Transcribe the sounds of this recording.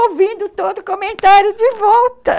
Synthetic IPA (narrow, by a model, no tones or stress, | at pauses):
owvĩnd̪ʊt̪od̪ʊkomẽnt̪aɾjʊd͡ʒɪvɔwt̪ɐ